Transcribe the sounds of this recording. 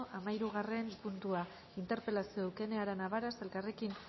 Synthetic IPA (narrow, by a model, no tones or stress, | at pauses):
ʔamaiɾuɣare̞mpunt̪ua | int̪e̞ɾpe̞lasiouke̞ne̞aɾanaβaɾase̞lkare̞kin